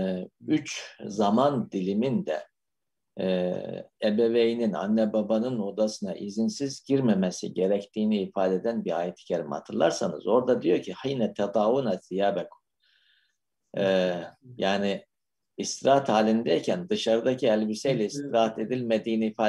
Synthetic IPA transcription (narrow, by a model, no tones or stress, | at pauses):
yt͡ʃzamand̪ilʲimind̪ɛ̰ | ɛbevejinina̰nːɛbabanɯno̞d̪asɯnaʔizinsizɟiɾmemesḭɟe̞ɾɛct̪ʰiːniːfaːd̪ɛd̪ænbia̰ːjɛt̪ʰi̥cʰaɾima̰t̪ʰɯɾlˠa̰ɾsanɯ̰zo̞ɾd̪ad̪ijo̞ɾcʰihinɛt̪ʰad̪aːvunazijaːbɛkʰu̥ | jaːniː | st̪ɾaɦt̪haːlʲind̪ɛjicʰænd̪ɯʃaɾɯd̪acʰiɛlʲbisejlʲɛist̪ɾaɦat̪ed̪ilʲmed̪iːniːfaː